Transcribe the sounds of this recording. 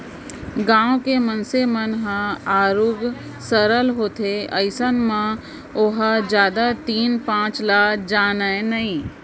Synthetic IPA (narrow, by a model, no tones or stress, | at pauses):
ɡãːõkemənsemənɦãaːɾʊɡ | səɾəlɦoːt̪ʰeəɪsənmã | ʊɦad͡ʒjaːd̪at̪iːnpãːt͡ʃlaːkd͡ʒaːnəenɐɦĩ